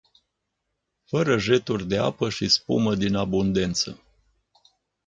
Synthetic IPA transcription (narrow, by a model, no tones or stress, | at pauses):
fəɾəʒe̞t̪urʲd̪e̞a̰pəʃispṵməd̪inabund̪e̞nt̪sə̰